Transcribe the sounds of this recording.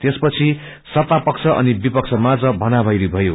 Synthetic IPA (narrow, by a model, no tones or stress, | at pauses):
t̪espʌt͡sʰi | sʌt̪apʌkt͡sʰʌʔʌ̰nibipʌk̚t͡sʰʌmad͡zʌbʱʌnabʱʌjɾibʱʌjo